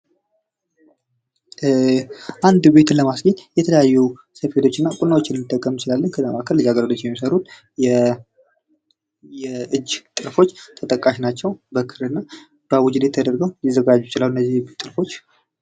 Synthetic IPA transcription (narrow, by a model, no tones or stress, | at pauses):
ʔand̪be̞t̪ləmasɡəɲjɛt̪ʰələjajːu | səfe̞t̪ʰo̞t͡ʃːɨnːakʼunawot͡ʃːɪnɨnːɨt̪ʼːəkʼːəmjɪt͡ʃɪlalːənkʰəzamakʰəɾlɨzaɡəɾəlot͡ʃːɪjɛmːisəɾut̪ | jɛ | jɛʔɨd͡ʒːt̪ʼɨɾfo̞t͡ʃːt̪ʰət̪ʼəkʼːaʃnat͡ʃːɛwbəkʰɨɾɨnːa | b̥əwʊd͡ʒɪdet̪ʰːəd̪əɾɡəwjɪzəɡad͡ʒːujɛt͡ʃɪlaluɨnːəzːiht̪ʼɨɾfo̞t͡ʃː